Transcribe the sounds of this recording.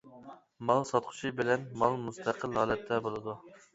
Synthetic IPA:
mɑlˠsɑt̪̚qʰʊ̥t͡ʃʰibɪlɛnmɑlˠmust̪ʰæqʰəlɦɑːlˠɛt̪ʰːɛbolˠɨd̪u

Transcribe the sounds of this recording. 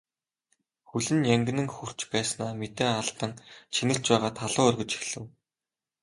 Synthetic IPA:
xɵɮɘ̆njæŋɡʲɘ̆nɘ̆ŋxur̥t͡ɕpæːsnaːmet̪eːaɬt̪ə̆ŋt͡ɕʰinɘ̆ɬt͡ɕpæːʁaːt̪ʰaɮʊːœrɣɵ̆t͡ɕi̥xɮɘ̆w

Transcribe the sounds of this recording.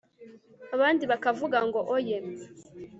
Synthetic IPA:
aβaːndiβakavuɡaŋɡoʔojem

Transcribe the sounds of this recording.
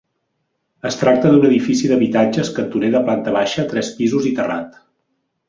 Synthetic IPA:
əst̪ɾak̚t̪əðunəðifisiðəβit̪ad͡ʒəskənt̪uneðəplant̪əβaʃəːt̪ɾɛspizuzit̪əra̰t̪

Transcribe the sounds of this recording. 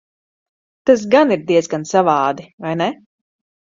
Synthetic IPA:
t̪as̬ɡaniɾd̪iɛzɡansavɑːd̪ivajnɛ

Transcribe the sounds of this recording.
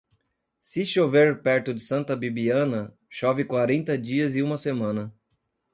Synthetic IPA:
sɪʃoveɾpɛɾt̪ʊd͡ʒ̪ɪsɐ̃nt̪ɐbibiɐ̃nɐ | ʃɔvɪkwaɾẽnt̪ɐd͡ʒiɐzɪũmɐsemɐ̃nɐ

